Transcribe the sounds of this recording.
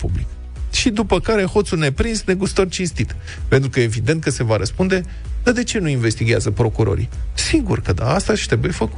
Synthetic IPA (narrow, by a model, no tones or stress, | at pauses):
pṵblik | ʃid̪upəkaɾe̞ho̞t̪sune̞pɾinsne̞ɡust̪ort͡ʃinst̪it̪ | pe̞nt̪ɾukəjeevid̪e̞nt̪̚kəse̞vaɾəspund̪e̞ | d̪̥ad̪e̞t͡ʃe̞nuinve̞st̪iɡʲea̰zəpɾo̞kuɾo̞̰ɾḭsiɡurkəd̪a̰ast̪aʃt̪ɾebuje̞fəkut̪